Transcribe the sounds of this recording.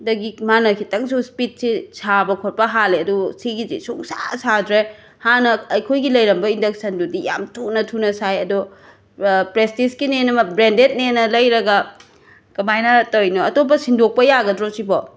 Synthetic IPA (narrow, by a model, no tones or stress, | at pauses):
dɐɡikmanɐkʰitɐŋsuspit̚sisʰabɐkʰot̚pɐɦaleɐdusiɡizḭsoŋsa̰sadɾe | hanɐːjkʰojɡilɐjɾɐmbɐindɐk̚sɐndudija̰mtʰunɐtʰunɐsajɐdu | pɾestisɡinenɐbɾendet̚nenːɐlɐjɾɐɡɐ | kɐmajnɐtojnɔɐtop̬ːɐsindok̚pɐjaɡɐdɾosibɔ